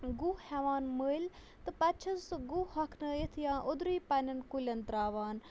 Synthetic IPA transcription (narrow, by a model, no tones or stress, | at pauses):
ɡuːhɛʋaːnməlʲ | t̪ɨpɛt͡ʃʰɐnsɡuhɐkʰnəjet̪ʰjãːʔod̪ɾiːpanɐnkulʲɐnt̪ɾaːʋaːn